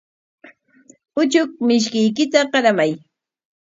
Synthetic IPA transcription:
ʊt͡ʃʊk̚mɪʃ̬kɪjkɪt̪aɢɑɾamaj

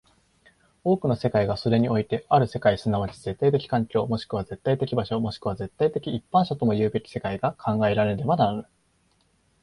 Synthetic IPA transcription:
o̞ːkɯ̟no̞se̞kaiɡaso̞ɾe̞ɲ̟io̞it̪e̞aɾɯ̟se̞kaisɨnaβ̞at͡ɕi̥ze̞t̪ːait̪̬e̞kʲi̥kãŋkʲo̞ːmo̞ɕi̥kɯ̟βaze̞t̪ːait̪e̞kʲibaɕo̞mo̞ɕi̥kɯβaze̞t̪ːait̪e̞kʲiːpːãɰ̃ɕat̪o̞mo̞jɯ̟ːbe̞kʲi̥se̞kaiɡakʰãŋɡae̞ɾaɾe̞ɾe̞banaɾɯ

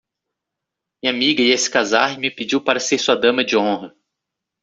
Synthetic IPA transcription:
mĩɲamiɡɐiesɪ̥kazahmɪped͡ʒiwpaɾɐseɾsuɐd̪ɐ̃mɐd͡ʒɪõɦɐ

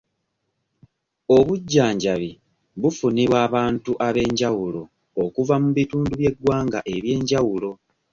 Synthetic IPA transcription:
o̞βuɟːaːɲɟaβi | βufuniβwaːβaːntuʔaβe̞ːɲɟawulo̞ː | kuvamuβituːnduβje̞ɡwaːŋɡaʔe̞βje̞ːɲɟawulo̞

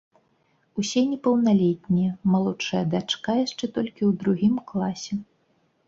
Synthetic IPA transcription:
usʲɛnʲɛpɐwnalʲɛt̪ʲnʲijɛmalˠɔt͡ʂɐjɐd̪at͡ʂkajaʂt͡ʂɛt̪ɔlʲkʲiwd̪ɾuɣʲimklˠasʲɛ

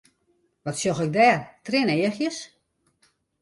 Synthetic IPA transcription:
ʋɔtsjoxɪk̚dɛːrtrɪneəxjəs

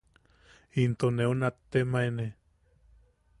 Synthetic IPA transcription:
int̪oneunat̪ːemaene

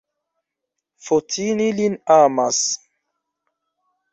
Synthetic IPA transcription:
fotʰinilinamas

